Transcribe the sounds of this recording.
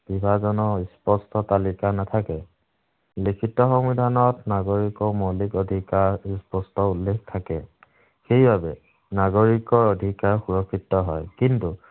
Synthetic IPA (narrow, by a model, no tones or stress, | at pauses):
b̥ibʱazɔnɔispɔstɔtalikanatʰakɛ | likʰitɔxɔmbidʱanɔtnaɡoɹikɔmɔlikɔdʱikaɹispɔstɔulːekʰtʰakɛ | xejbabɛ | naɡoɹikɔɹɔdʱikaɹxuɹɔkʰːitːɔɦɔjkintu